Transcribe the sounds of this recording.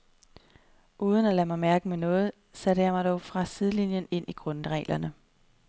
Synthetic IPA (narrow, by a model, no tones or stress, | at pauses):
ʔuːð̞ˠən̩ælæmɑ̈ɪmæɐɡ̥əmenɔ̽ːð̞̩ˠ | seɾəjɑɪmɑ̈ɪd̥ɒʊfʁɑ̈siðˠlinjəne̝n̰iɡ̥ʁɔ̽nʁɛ̰ːlʔɐnə